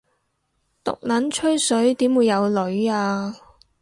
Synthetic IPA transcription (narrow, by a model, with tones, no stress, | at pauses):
t̪ʊ̰˨k̚laː˨˥nt͡ʃʰɵ˥ɥsɵ˨˥ɥt̪iː˨˥mwuː˨˧jːɐ˨˧wlɵ˨˥ɥaː˧